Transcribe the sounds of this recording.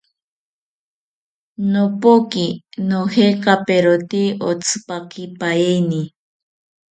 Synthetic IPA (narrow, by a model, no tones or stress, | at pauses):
nopokinohekapeɾot̪iot͡sʰɨ̥pakipaeni